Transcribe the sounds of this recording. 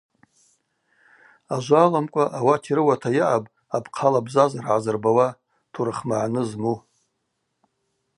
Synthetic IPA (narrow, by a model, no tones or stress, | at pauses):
aʒʷaːlamkʷʼaʔawatʰiɾɨwatʰajɪʕabʼ | abʰqʰalabzazarʕazɨrbawa | tʰuɾɨχmaʕanɨzmu